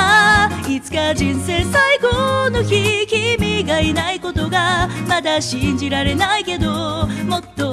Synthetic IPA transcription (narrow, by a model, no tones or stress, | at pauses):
it͡sɨ̥kad͡ʑĩɰ̃sẽ̞ɰ̃saiɡo̞no̞çikʲimʲiɡainaiko̞t̪o̞ɡamad̪aɕĩɲd͡ʑiɾaɾe̞naike̞d̪o̞mo̞t̪ːo̞